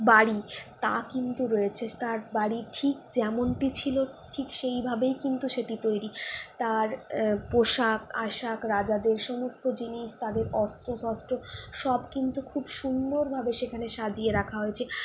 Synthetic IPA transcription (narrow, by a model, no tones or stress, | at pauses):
baɽit̪akint̪uɾojet͡ɕʰet̪aɾbaɽiʈʰik̚d͡ʑɛmonʈit͡ɕʰiloʈʰikʃejbʱabejkint̪uʃeʈit̪ojɾit̪aɾpoʃakaʃakɾad͡ʑad̪eɾʃɔmost̪od͡ʑiniʃt̪ad̪eɾɔst̪ɾosɔsʈɾoʃɔbkint̪ukʰubʃund̪oɾbʱabeʃekʰaneʃad͡ʑieɾakʰaɦoet͡ɕʰe